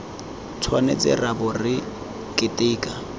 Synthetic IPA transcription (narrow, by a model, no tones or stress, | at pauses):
t͡sʰwanḛt͡sʼɪ̰rabʊrɪ | kʼɪtʼɪːkʼa